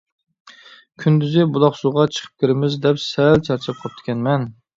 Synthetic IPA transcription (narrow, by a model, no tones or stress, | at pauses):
kʲʰynd̪yzɪbʊlˠɑχsoʁɑt͡ʃʰə̥qʰə̥p̚kʲʰɪɾɪmɪzd̪ɛpsælt͡ʃʰæɾt͡ʃʰɛp̚qʰɑp̚t̪ʰɪ̥kʲɛnmɛn